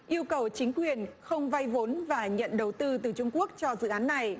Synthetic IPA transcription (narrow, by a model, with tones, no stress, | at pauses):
ʔi˧əwkə˨˩wt͡ɕï˨˦ŋ̟kwi˨˩ənxə˧wŋ͡mva˧jvo˨˦nvaː˨˩ɲə̰˧˨nɗə˨˩wt̪ɨ˧t̪ɨ˨˩t͡ɕʊ˧ŋ͡mku˦˥ək̚t͡ɕɔ˧zɨ̰˧˨ʔaː˨˦nːa˨˩j